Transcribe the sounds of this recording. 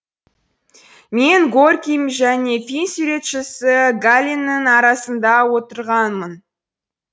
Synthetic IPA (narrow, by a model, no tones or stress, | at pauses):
me̞ŋɡorkʲijmʒæne̞finsuʉɾe̞t̪ʃɪsɪɡalʲinːəŋɑɾɑsənd̪ɑwo̞t̪əɾʁɑnmən